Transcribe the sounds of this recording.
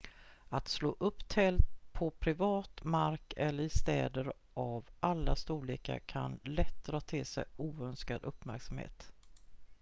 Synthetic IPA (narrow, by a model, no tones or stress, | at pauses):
at̪sloːʔɵpːt̪ʰɛlt̪̚pʰɔpʰɾɪvɑːt̪maɾkɛlːəɾɪst̪ɛ̰ːd̪əɾ | ʔavʔalːast̪uːliːka̰kʰa̰nlɛt̪̚d̪ɾɑːt̪ʰɪlsɛ̰juːœnskad̪ɵpːmæɾksamhḛːt̪